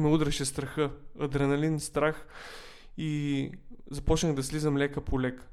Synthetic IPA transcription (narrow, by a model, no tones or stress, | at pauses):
mɛud̪ɾɛʃɛst̪ɾɐxɤɐd̪ɾɛnɐlinst̪ɾax | i | zɐpɔt͡ʃnəɣd̪ɐslizəmlʲɛkəpʰolʲɛk